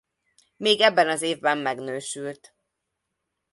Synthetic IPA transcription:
meːɡɛbːɛnɒzeːvbɛmːɛɡnøːʃylt̪

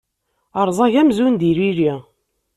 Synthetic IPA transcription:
əɾˤzˤɑʝæmzund̪iɾiɾi

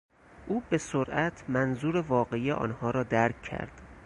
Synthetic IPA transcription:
ʔuːbe̞soɾʔæt̪ʰmænzuːɾevɒːɢeijeʔɒ̰ːnhɒːɾɒːd̪æɾkʰːæ̰ɾd̪̥

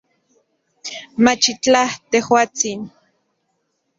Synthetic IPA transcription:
mat͡ʃit͡ɬaht̪ehwaːt͡sin

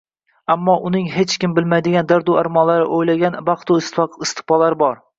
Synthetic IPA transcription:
amːɒʔʊnɪŋɦet͡ʃkʲɪmbɪlmajd̪ɪɡʲand̪aɾd̪uaɾmɒnlaɾɪ̰ʔojlaɡʲanbɑqt̪ʰʊɪsɪst̪ɪ̥pɒlaɾɪbɒɾ

